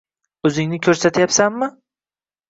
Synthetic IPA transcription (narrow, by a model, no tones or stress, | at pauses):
ɵzɪŋnɪkʲʰɵɾsat̪ʰjapsanmɪ